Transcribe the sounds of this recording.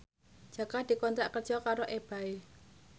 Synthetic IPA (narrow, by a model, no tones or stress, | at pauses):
d͡ʒ̥ä̤kad̪̥i̤kɔnt̪ɾaʔkərd͡ʒ̥ɔkaɾoʔeb̥a̤e